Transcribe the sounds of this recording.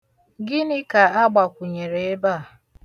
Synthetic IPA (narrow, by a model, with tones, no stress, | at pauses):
ɡɪ˦nɪ˦ka˨a˦ɡ͡ba˨kʷʊ˨ɲe˨ɾe˨e˦ba˦˨